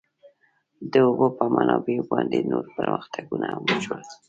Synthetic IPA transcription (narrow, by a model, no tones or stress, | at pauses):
d̪əobəpəmanɑbebɑnd̪enoɾpəɾməxt̪ʰaɡunaməʒwəl